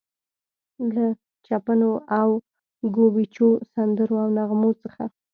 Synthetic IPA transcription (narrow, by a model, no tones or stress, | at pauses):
la | t͡ʃapanoʔaw | ɡobit͡ʃosand̪əɾoawnaɣmot͡səxa̰